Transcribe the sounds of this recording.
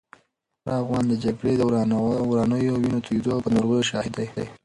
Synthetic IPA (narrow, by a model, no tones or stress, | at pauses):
ɑvɣɑnd̪əd͡ʒaɡɽed̪əɾɑnəjowinot̪ʰud̪owpənaɾɣəjoʃɑhɪd̪ajd̪a̰j